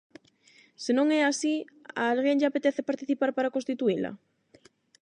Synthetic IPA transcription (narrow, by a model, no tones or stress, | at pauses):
senõŋɛasia̰ːlɣeŋʝaːpet̪ɛθepaɾt̪iθipaɾpaɾakõst̪it̪uila̰